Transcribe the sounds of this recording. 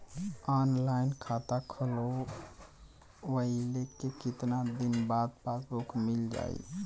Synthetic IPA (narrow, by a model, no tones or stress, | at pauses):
anlaɪnkʰat̪akʰəlo | ʋəilekekit̪nad̪inbad̪̚pasokʰmild͡ʒa̰ḭ